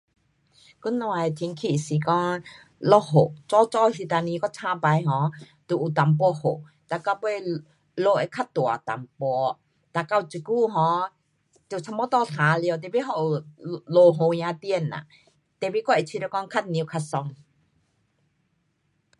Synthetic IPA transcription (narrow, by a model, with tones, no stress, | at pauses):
ku˦˥˦nːɔ˧a˨e˨t̪ʰi˧˦ŋkʰi˧˨si˨˦kɔ˦ŋ | lɔ˧˥ɦo˨ʔt͡sɔ˧˦t͡sɔ˧si˧t̪a˧˨nĩ˧kɔ˦˥t͡sʰã˧˥pa˨˧jɦɔ̃˨˦ | t̪u˨ʔu˨t̪a˨˦mp̬ɔ˧ho˨ | t̪a˧˨ka˧pu˧ | lo˧˨ʔe˧˦kʰa˥˧t̚t̪u˨a̰˨t̪a̰˨mpɔ˧ | t̪a˧˨ka˧˨˧t͡si˧˨ku˥˧˨ɦɔ̃˧˦ | t̪e˧˨t͡sʰa˧mɔ˧˦t̪ɔ˧˨tʰa˨˦li˧ə˧wt̪̬ɛ˧˨bi˦ɦɔ˧˨ʔu˨lo˧˨ɦo˨ɲã˧t̪i˦˧ə˨na̰˨ | t̪ɛ˧˨bi˦kɔ˧˦ʔi˨t͡ɕʰi˧ɾkɔ˧˦ŋkʰa˥t̪̚ni˧kʰa˧t̚sɔ˧ŋ